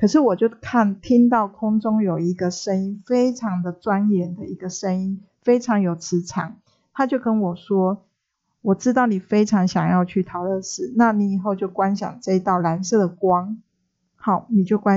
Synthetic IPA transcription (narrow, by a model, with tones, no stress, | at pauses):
kʰɤ˨˩ʂɻ̩˥˩wɔ˨˩t͡ɕjo˥˧ʊkʰa˥˩nt̪ʰi˥ŋt̪ɑ˥˩ʊkʰʊ˥ŋʈ͡ʂʊ˥ŋjo˨˩ʊi˧˥ɡə˨ʂə˦ŋi˦nfe˥ɪʈ͡ʂʰɑ˧˥ŋd̪ə˨ʈ͡ʂwa˦njɛ˨˩nd̪ə˨i˧˥ɡə˨ʂə˦ŋi˦n | fe˥ɪʈ͡ʂʰɑ˧˥ŋjo˨˩ʊt͡sʰɻ̩˧˥ʈ͡ʂʰɑ̰˨˩ŋ | t̪ʰa˥t͡ɕjo˥˩ʊkə˦nwɔ˨˩ʂwɔ˥ | wɔ˨˩ʈ͡ʂɻ̩˥t̪ɑ˥˩ʊni˨˩fe˥ɪʈ͡ʂʰɑ˧˥ŋɕjɑ˨˩ŋjɑ˥˧ʊt͡ɕʰy˥˩t̪ʰɑ˨˩ʊlə˥˧ʂɻ̩˨˩na˥˨ni˨˥i˨˩xo˥˧ʊt͡ɕjo˥˩ʊkwa˦nɕjɑ̰˨˩ŋʈ͡ʂɤ˥˧i˧˥t̪ɑ˥˩ʊla˧˥nsɤ˥˩d̪ə˩kwɑ˥ŋ | hɑ˨˩ʊni˨˩t͡ɕjo˥˩ʊkwa˥˦